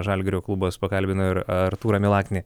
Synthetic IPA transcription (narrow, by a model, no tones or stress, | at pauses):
ʒɑlʲɡʲɪɾʲoːklˠuboːspɐkɐlʲbʲɪnʊɪɾɐɾt̪uːɾɐmʲɪlˠɑːkʲnʲɪ